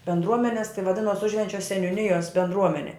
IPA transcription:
bʲɛndˈruɔmʲɛnʲɛs tɐɪ ʋɐˈdʲɪnoːs ˈʊʒʲʋʲɛnʲt͡ʃʲɛ sʲɛnʲuːˈnʲɪjoːs bʲɛndˈruɔmʲɛnʲeː

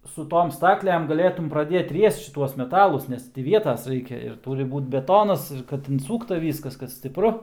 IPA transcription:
sʊ ˈtoːm ˈstɑːklʲɛm ɡɐˈlʲeːtʊm prɐˈdʲeːt ˈrʲiɛst ʃʲɪˈtuɔs mʲɛˈtɑːlˠʊs ˈnʲɛs tʲɪ ˈʋʲiɛtɐs ˈrɐɪkʲɛ ɪr ˈtuːrʲɪ ˈbuːt bʲɛˈtoːnɐs ɪr kɐt ɪnˈsuːktɐ ˈʋʲiːskɐs kɐt sʲtʲɪpˈrʊ

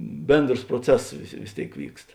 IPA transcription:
ˈbʲeːndroːs proːˈt͡sʲæːsoːs ʋʲɪs ʋʲɪs ˈtʲeːɪk ˈʋʲiːkst

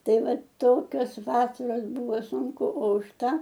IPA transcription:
ˈtɐɪ ˈʋɐ ˈtoːkʲoːs ˈʋɑːsɐroːs ˈbuːʋoː sʊŋˈkʊ oː ʊʃ ˈtɐ

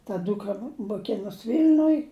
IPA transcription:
tɐ ˈduːkrɐ moːˈkʲɪnoːs ˈʋʲiːlʲnʊj

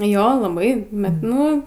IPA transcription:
ˈjoː lˠɐˈbɐɪ ˈbʲɛt ˈnʊ

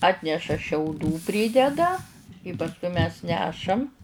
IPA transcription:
ˈɑːtʲnʲɛʃɐ ʃʲɛʊˈduː ˈpʲrʲiːdʲɛdɐ ɪ pɐsˈkʊɪ mʲɛs ˈnʲæːʃɐm

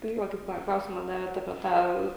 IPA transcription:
ˈtɐɪ ʋɐ kɐɪp ˈtɑː ˈklˠɐʊsʲɪmɐ ˈdɑːʋʲeːt ɐpʲiɛ ˈtɑː

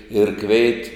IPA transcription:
ɪr ˈkʋʲɛɪt

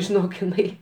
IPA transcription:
ʒʲɪˈnoːk ɪˈnɐɪ

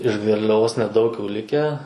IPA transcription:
ɪʃ ɡɐrʲlʲɛˈʋoːs nʲɛˈdɐʊk jɛʊ ˈlʲɪkʲæː

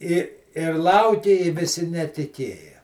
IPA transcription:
ɪ ɪr ˈlˠɐʊkʲeː ɪ ʋʲɪˈsʲɪ nʲɛtʲɪˈkʲeːjɛ

